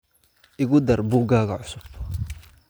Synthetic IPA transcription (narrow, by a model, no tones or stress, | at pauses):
ʔɪɣʊd̪ɐrbuːɡaːɣɐʕʊsʊb̥